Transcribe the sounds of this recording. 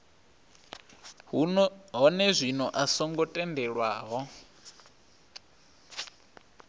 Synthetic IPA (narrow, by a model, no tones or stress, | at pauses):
ɦɔnɛzʷinɔʔasɔŋɡɔtʼɛndɛɺwaːɦɔ